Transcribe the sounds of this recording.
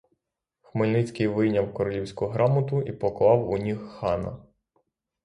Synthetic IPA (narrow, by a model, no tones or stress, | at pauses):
xmɪlʲnɪt͡sʲkɪjʋɪjnʲɐwkɔɾɔlʲiwsʲkʊɦɾɑmɔt̪ʊʔipɔklˠɑwʊnʲixːɑnɐ̰